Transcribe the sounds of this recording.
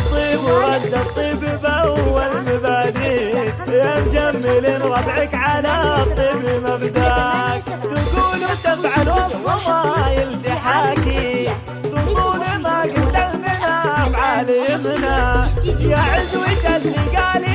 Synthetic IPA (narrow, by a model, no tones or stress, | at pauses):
t̪ˤiːbwɑd̪ːɑt̪ˤːiːbbwwːalmabaːdiːnjamd͡ʒamːɪliːnɣɑd̪ˤʕɪkʕalat̪ˤːiːbimabd̪aːk | t̪aɡuːlut̪ɪfʕalwɑsˤːɑmajɪlt̪ɪħaːki | t̪ʊsˤuːlimaɡɪt̪amɪnamʕaːlɪɪmnajaʕɪzwiʃalːiɡaːli